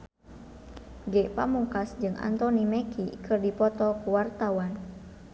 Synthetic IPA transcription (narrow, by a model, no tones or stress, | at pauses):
ɡɛʔpamuŋkasd͡ʒɨŋʔa̰nt̪ɔnimɛkikɨrdipɔt̪ɔkuwart̪awan